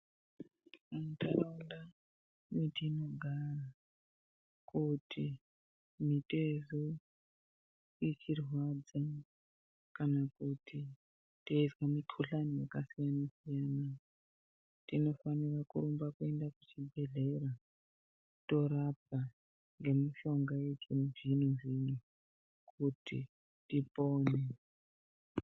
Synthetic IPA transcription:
amtʰaraunda | mitino̞ɡʱara | kutʰi | mitezo | ikʰirwad͡za | kanakuti | teizwamikʰuɬanijekasijanasijana | tino̞fanirakṵɾumbakue̞ndakut͡ʃibʱe̞ɮe̞ɾa | to̞ɾap̚a | ŋɡe̞miʃo̞ŋɡajed͡ʒinuʐinuʐiɲu | kʰutʰḭ | tipoːne

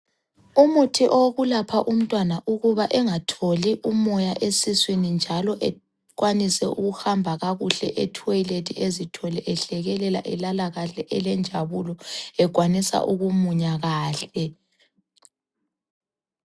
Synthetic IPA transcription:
umutʰiʔoɣulapʰaʔum̩tʼwanaʔuɣuβaʔɛŋatʰoliʔumɔjaʔesiswenind͡ʒʱalɔʔɛ | ɣwanisɛuɣuhambʱaɣaɣuɬɛʔetʰɔjiletʰiezitʰɔlɛʔɛɬɛɣɛlɛla̰ʔɛlalaɣaɬɛʔɛlɛnd͡ʒʱaβulɔɛɡʱwanisa̰ʔuɣumuɲaɣaːɬɛ

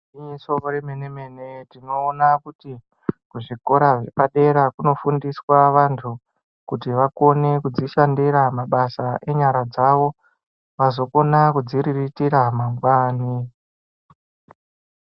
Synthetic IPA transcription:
iɲisooɾemenemene̞tino̞ːnakuti | kuʐiko̞ɾaʐepaɗe̞ɾakuno̞fundiswaʋantʰu | kutiʋako̞ne̞kud͡ziʃandiɾamaɓasaʔe̞ɲaɾad͡zaʋo̞ | ʋazo̞ko̞nakud͡ziɾiritiɾamamɡwaːni

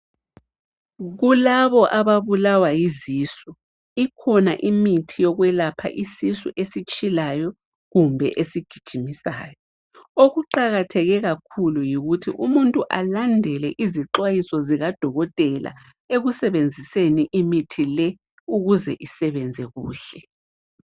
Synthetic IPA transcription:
ɣulaβɔʔaβaβulawajiziːsu | ikʰɔna̰ʔimitʰijɔɣwɛlapʰa̰ʔisisṵʔesit͡ʃʼilajɔ | ɣumbʱɛ̰ʔesiɡ̥ʱid̥ʒ̥ʱimisa̰ːjɔ | oɣuǃaɣatʰɛɣɛɣakʰulujiɣutʰiʔumuntʼuʔalandʱɛlɛʔiziǁwajisɔziɣad̥ʱɔɣɔtʼɛlʔa̰ | eɣusɛβend͡zʱiseniʔimitʰilɛ | uɣuzɛ̰ʔisɛβɛnd͡zʱɛɣuːɬɛ

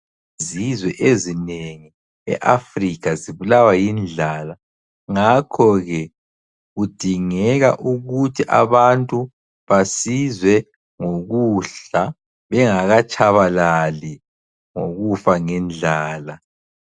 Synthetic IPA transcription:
zizwɛʔezineŋi | ɛ̰ʔafrikaziβulawajind͡ɮʱala | ŋakʰɔɣɛ | ɣud̥ʱiŋɛɣa̰ʔuɣutʰiʔa̰βantʼu | βasizwɛ | ŋoɣuɬa | βɛŋaɣat͡ʃʼaβalali | ŋo̰ɣufaŋɛnd͡ɮʱaːla

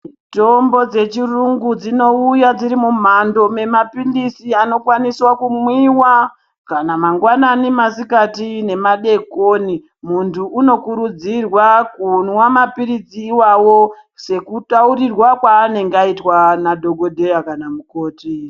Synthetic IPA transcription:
to̞mbo̞d͡ze̞t͡ʃiruŋɡud͡zino̞ujad͡ziɾimum̤ando̞me̞mapindisiano̞kwaniswakumwiwa | kanamaŋɡwananimasikatine̞maɗe̞koni | muntʰuːno̞kuɾud͡zirwakunwamapiɾid͡ziːwawo̞ | se̞kutauɾirwakwaːne̞ŋɡaitwanadʱo̞ɡo̞dʱe̞jakanamuko̞ːti

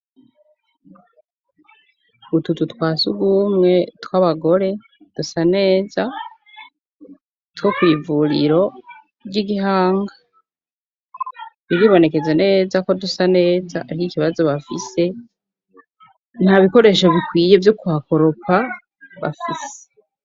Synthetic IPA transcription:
βutututwaːsuɡumŋe̞twaːβaɡo̞ɾe̞ | d̥usane̞ːza | twokwiːvuɾḭɾo̞ | bɟiɡiɦaːŋɡa | βiɾiβo̞ne̞ke̞zene̞ːzako̞dusane̞ːzaaɾihikiβazo̞βafise̞ | n̥haβiko̞ɾe̞ːʃo̞βikwiːje̞vjokuhako̞ɾo̞pa | βa̰fise̥

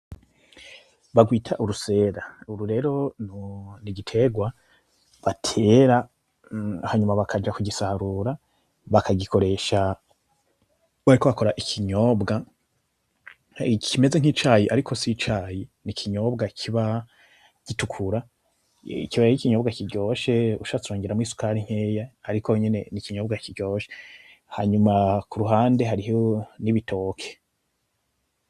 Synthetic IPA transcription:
βaɡwiːtʰaʔuɾuse̞ːɾauɾuɾe̞ɾo̞nniɡitʰe̞ɡwa | βatʰe̞ɾa | haɲumaβakʰad͡ʒakuɟisaɾuɾa | βakʰaɡikʰo̞ɾe̞ʃa | βaɾikoβako̞ɾaʔikʰiɲo̞ːbɡa | kʰime̞ze̞ŋ̥it͡ʃaːjiʔaɾikʰo̞sit͡ʃaːjinikʰiɲo̞bɡakʰiβa | ɟ̥itukʰuɾa | ikiβaikiɲo̞ːbɡakiɾɟo̞ʃe̞ṵʃaatuɾoːŋɡeɾamwisu̥kaːɾiŋ̥heːjaaɾikʰoɲe̞ne̞̰nikiɲo̞ːbɡakiɾɟo̞ːʃe̥ | ha̰ːɲumakuɾuɦaːnde̞ɦaɾiɦoniβitʰo̞ːkʰe̥

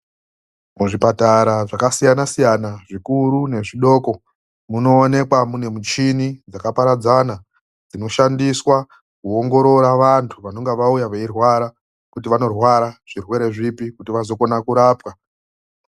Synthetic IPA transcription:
muʐipataɾaʐakasijanasijanaʐikuɾune̞ʐiɗo̞ːko̞ | muno̞ːne̞kwamune̞mut͡ʃinid͡zakapaɾad͡zana | d͡zino̞ʃandiswa | kuoŋɡo̞ɾo̞ɾaʋantʰuʋano̞ŋɡeʋaujaʋeirwaɾa | kutiʋano̞rwaɾaʐ̥irwe̞ɾe̞ʐipikutiʋazo̞ko̞nakuɾaːpwa

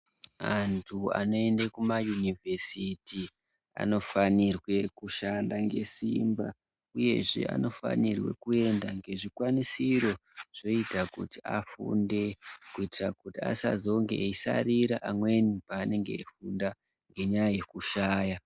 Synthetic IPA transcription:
antʰua̰no̞e̞ndekumajunivʱe̞siti | a̰no̞fanirwe̞kuʃandaŋɡe̞simba̰ | uje̞̰ʐe̞̰ʔa̰no̞fa̰nirwe̞̰kue̞ndaŋɡe̞ʐikwanisiɾo̞ʐ̥o̞itakutiafṵnde̞kuitirakutia̰sa̰zo̞ŋɡḛisa̰riɾaʔamwe̞nipaːne̞ŋɡe̞̰ːfunda | ŋɡe̞ɲajaje̞kuʃaːja

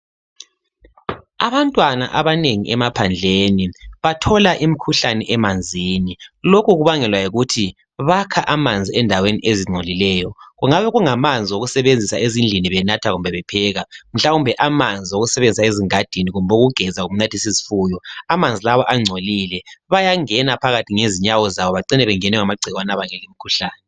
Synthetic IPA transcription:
a̰βantʼwana̰ʔaβaneŋḭʔɛmapʰand͡ɮʱeːniβatʰɔlaʔimikʰuɬanɛʔɛmand͡zʱiːnilokʰuɣuβaŋɛlwajiɣutʰi | βakʰaʔamand͡zʱiɛndʱawenḭʔeziŋ͡ǀʱolilɛːjɔɣuŋaβɛɣuŋamand͡zʱiwoɣusɛβend͡zʱisaezind͡ɮʱiniβɛnatʰaɣumbʱɛβɛpʰɛːɣam̩ɬaumbʱɛʔamand͡zʱiwoɣusɛβend͡zʱisaeziŋad̥ʱiniɣumboɣuɡ̥ʱɛzaɣum̩natʰisizifuːjɔamand͡zʱilaβɔʔaŋ͡ǀʱoliːlɛβajaŋɛnapʰaɣatʰiŋeziɲawɔzaβɔβaǀinɛβɛŋɛnɛŋamaɡ͡ǀʱiɣwanaβaŋɛlim̩ikʰuɬaːnɛ

